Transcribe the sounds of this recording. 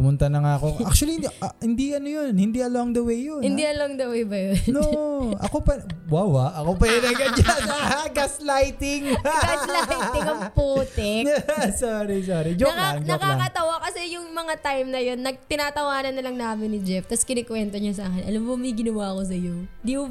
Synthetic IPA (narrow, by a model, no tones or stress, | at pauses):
kʊmʊnt̪ɐnɐŋaːɐkoʔak̚t͡ʃuɐliʔɐhɪnd̪iʔɐnojonhɪnd̪iʔɐloŋd̪ɐwejːonhɪnd̪iʔɐloŋd̪ɐwejbɐjonoʔɐ̰kopɐwaːwaʔɐkopɐjonɐɡɐd͡ʒanɡaslajt̪ɪŋɡalajt̪ɪŋɐŋpuːt̪ɛasoɾisoːɾid͡ʒoɐklaaŋd͡ʒnɐoklːakɐt̪ɐwakɐsɛjʊŋmɐŋat̪ajmnɐjo̞nːɐɡ̚t̪ɪnaːt̪ɐwaːnɐnːɐlɐŋnaːmɪnːɪd͡ʒɛft̪ɐskɪnɛkwɛnt̪oɲosaːkɛnʔɐlɐmmomɐjɡɪnɐwaɐko̞s̬ɐjoɪnd̪iːmʊ